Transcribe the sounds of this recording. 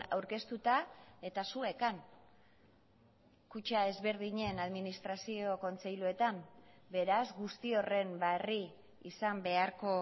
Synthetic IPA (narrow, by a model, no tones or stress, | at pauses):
a̰wɾke̞st̪ut̪ae̞t̪asue̞kan | kut͡ʃae̞zβe̞ɾð̞iɲe̞naðminist̪ɾasio̞ko̞nt͡se̞jlue̞t̪ambe̞ɾazɡust̪io̞re̞mbariː | sambe̞aɾko̞